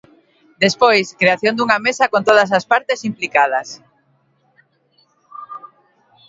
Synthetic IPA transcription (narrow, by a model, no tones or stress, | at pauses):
d̪espojskɾeaθjond̪uŋamesɐkont̪oðɐs̬aspaɾt̪esimplikað̞ɐs